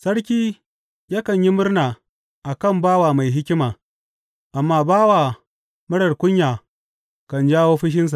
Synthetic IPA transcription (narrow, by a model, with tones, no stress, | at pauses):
sɐ˦ɽkʲiː˦ | ja˦kɐ˨ɲji˦mʊ˦rnaː˨ | ʔa˨kɐ˦˨mbaː˦waː˨ma˨jɦɪ˦kʲɪ˦maː˨ | ʔa˨mːaː˦baː˦waː˨ | mɐ˦ɽɐ˨rkʷʊ˦ɲjaː˨ | kɐ˨nd͡ʒaː˦woː˦ɸɪ˦ʃ̬ɪ˦ns̬a˨ʔ